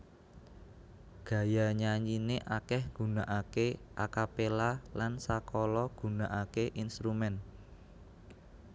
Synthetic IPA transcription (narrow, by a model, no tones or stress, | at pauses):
ɡ̥ä̤jaɲaɲd͡ʒineʔakɛhɡ̥ṳnaʔakeʔakapelalansakɔlɔɡ̥ṳnaʔakeʔinst̪ɾumɛn